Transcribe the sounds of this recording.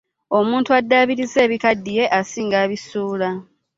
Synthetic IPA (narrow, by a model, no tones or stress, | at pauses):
o̞muːntuadːaːβiɾize̞ːβikadːije̞ʔasiːŋɡaːβisuːla